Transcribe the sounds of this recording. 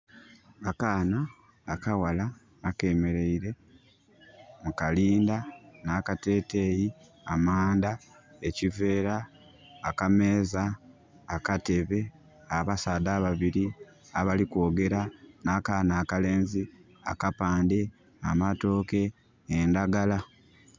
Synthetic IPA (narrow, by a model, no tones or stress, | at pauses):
akaːnaː | kawalaː | ke̞ːme̞ɾe̞iɾe̞ | mukaliːndanaːkate̞ːte̞ːji | amaːnda | ecive̞ːɾaː | kame̞ːzaː | kate̞βe̞ | aβasaːdaːβaβiɾi | aβaliko̞ːɡe̞ɾanakaːnaːkale̞ːnzi | a̰kapaːnde̞ | amato̞ke̞ː | ndaɡala